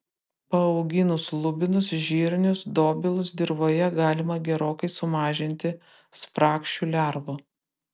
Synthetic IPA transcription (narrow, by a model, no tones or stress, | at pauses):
pɐɒʊɡʲɪnʊslˠʊbʲɪnʊsʒʲiːɾʲnʲʊsd̪oːbʲɪlˠʊsd̪ʲɪɾʋoːjɛɡɑːlʲɪmɐɡʲɛɾoːkɐɪsʊmɑːʒʲɪnʲt̪ʲɪ | spɾɑːkʃʲuːlʲæɾʋʊ